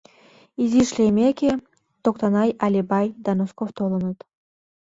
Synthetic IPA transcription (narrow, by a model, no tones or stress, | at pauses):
izʲiʃlʲemʲekʲe | t̪okt̪anɑjʔalʲibajd̪anoskoft̪ʰolˠɤnɤt̪